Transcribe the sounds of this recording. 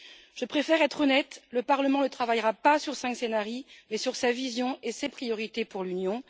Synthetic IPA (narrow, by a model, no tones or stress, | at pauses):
ʒ̥əpχefɛʁɛt̪χɔnɛt̪ləpaʁləmɑ̃lət̪χavajʁapasyʁsɛ̃ŋksenaʁimɛsyʁsavizjɔ̃esepχijɔʁit̪epuʁlynjɔ̃